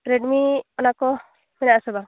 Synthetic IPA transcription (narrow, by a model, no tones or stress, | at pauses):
ɾeɖmiɔnakɔ | mɛnaʔsɔba